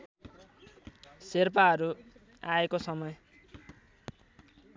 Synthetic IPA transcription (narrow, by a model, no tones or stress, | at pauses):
serpaʌɾu | aekosʌmʌj